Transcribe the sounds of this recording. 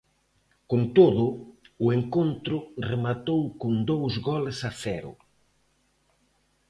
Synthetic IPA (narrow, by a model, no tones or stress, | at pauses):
kont̪oðʊʊeŋkont̪ɾʊremat̪owkond̪owzɡɔlɪsaθɛɾʊ̰